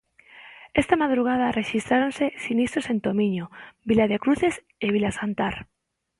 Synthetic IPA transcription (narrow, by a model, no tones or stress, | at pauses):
est̪amað̞ɾuɣ̞að̞areʃist̪ɾaɾonsesinist̪ɾosent̪omĩɲobilaðekɾuθes | eβ̞ilasant̪aɾ